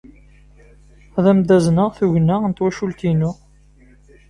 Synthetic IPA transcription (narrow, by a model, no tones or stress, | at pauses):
ðæmd̪æznəʁθuʝənːəənt̪wæʃult̪inʊ